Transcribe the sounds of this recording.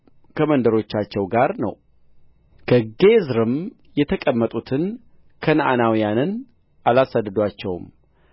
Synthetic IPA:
kʰəmənd̪əɾo̞t͡ʃːat͡ʃːɛwɡaɾnə̰w | kʰəɡezɾɨm | jɛt̪ʰəkʼəmːət̪ʼut̪ʰɨn | kʰənʔanawijanɨn | ʔalasad̪ːɨd̪wat͡ʃːɛwm

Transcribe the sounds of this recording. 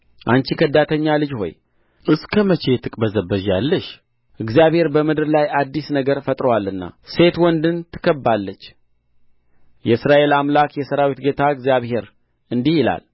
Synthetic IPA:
ʔant͡ʃikʰəd̪at̪ʰəɲːalɨd͡ʒho̞̰j | ɨskʰəmət͡ʃʰe̞t̪ʰɨkʼbəzəbːəʒalːəʃ | ʔɨɡzijaβhe̞ɾbəmɨd̪ɨɾlajad̪ːisnəɡəɾfət̪ʼɾəwalɨnːa̰se̞t̪wɔnd̪ɨnt̪ʰɨ̥kʰəbːalːət͡ʃː | jɛɨsɾaʔe̞lamlakjɛsəɾawit̪ɡe̞t̪ʰaɨɡzijaβhe̞ɾ | ɨnd̪ihɪla̰l

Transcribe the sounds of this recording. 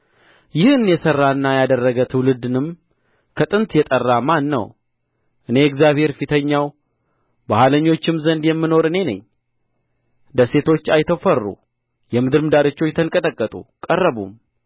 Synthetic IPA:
jɪhɨnjɛsərːaɨnːajad̪ərːəɡət̪ʰɨwlɨd̪ɨnɨm | kʰət̪ʼɨnt̪jɛt̪ʼərːamanːə̰w | ʔɨne̞ɛɡzjaβhe̞ɾfit̪ʰəɲːaw | bahaləɲːo̞t͡ʃːɪmzənd̪jɛmːɨno̞ɾɨne̞nə̰ɲː | d̪əse̞t̪ʰo̞t͡ʃːajt̪ʰəfərːṵ | jɛmɨd̪ɨɾmɨd̪aɾɨt͡ʃːo̞t͡ʃːt̪ʰəŋkʼət̪ʼəkʼːət̪ʼṵkʼərːəβṵm

